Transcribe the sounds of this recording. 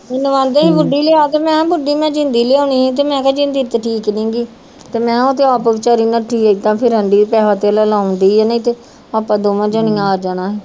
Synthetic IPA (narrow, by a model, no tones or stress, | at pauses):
ɪnʋãːnd̪eːɦiːbʊɖːiːleːaːt̪eːmɛ̃ːbʊɖiːmɛ̃ːd͡ʒɪnd̪iːleːaːnĩːt̪̬eːmɛ̃ːkɛːd͡ʒɪnd̪iːt̪ːʈʰiːknĩːɡiː | t̪eːmɛ̃ːot̪ʰeaːpəʋɪt͡ʃaːɾiːnaʈʰiːt̪ãːpʰɪɾɦəɳɖiːpɛːɦaːt̪elaːlaːʊ̃nd̪iːɛnãt̪eː | aːpãːd̪oːmãːd͡ʒəːnijãaːɾd͡ʒaːɽ̃aːɦeː